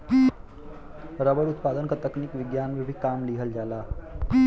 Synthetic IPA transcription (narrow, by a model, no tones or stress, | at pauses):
ɾəʋəɽut̪pad̪ənkət̪əknikʋiɡjanʋəɾbʱikamliɦəld͡zala